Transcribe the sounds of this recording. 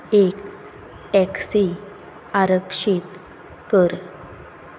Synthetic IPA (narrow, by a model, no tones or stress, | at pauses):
ek | ʈɛksi | aɾəkʂit̪ | kəɾ